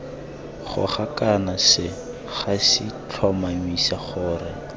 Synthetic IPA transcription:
χʊ̰χakanasɪ | χasit͡ɬʰwamamisaχʊːrɪ

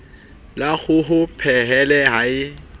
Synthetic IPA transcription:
laɣʊɦʊpʰɛɦɛlɛɦaɪ

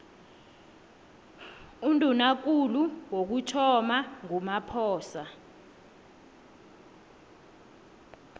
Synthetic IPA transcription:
undʼunak̬uluwok̬utʰɔmaŋumapʰɔːsa

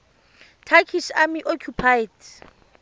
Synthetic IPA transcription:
tʰakʰisamiʔokʰjupʰajd

